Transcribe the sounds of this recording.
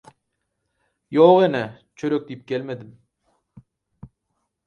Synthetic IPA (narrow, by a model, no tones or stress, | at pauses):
joʁenɪ | t͡ʃʰɵɾøk̚d̪ijip̚kʲʰelmed̪ɪm